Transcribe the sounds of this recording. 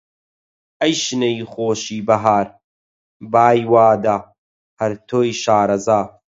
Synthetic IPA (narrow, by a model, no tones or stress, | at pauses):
ɐjʃnɐjxoːʃiːbɐɦaːɾ | baːjwaːd̪a | hɐɾt̪ʰoːjʃaːɾɐzaː